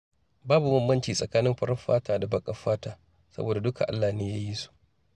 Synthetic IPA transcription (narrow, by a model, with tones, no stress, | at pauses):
baː˦bu˨mʊ˦mːɐ˦nt͡ʃiː˨sʼɐ˨kaː˦nɪ˦mɸɐ˦ɽɐ˦ɸaː˦taː˨da˨bɐ˦kʼɐ˦ɸaː˦taː˨ | sɐ̰˦boː˨da˨dʊ˦ka̰˨ʔa̰˦lːaː˨neː˦jaː˦ji˦su̥˨ʔ